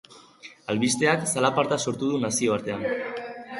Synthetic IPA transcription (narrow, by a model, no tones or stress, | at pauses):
alβist̪e̞aksalapaɾt̪aso̞ɾt̪uðunasio̞aɾt̪e̞an